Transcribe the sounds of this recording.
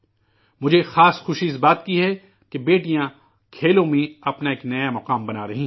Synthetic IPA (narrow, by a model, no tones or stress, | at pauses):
mʊd͡ʒʱexaːsxʊʃiɪs̬baːt̪kiɦɛ | kebeːʈijã | kʰeːlõmẽɐpnaeːknɐjamɐqaːmbɐnaːɾɐɦĩ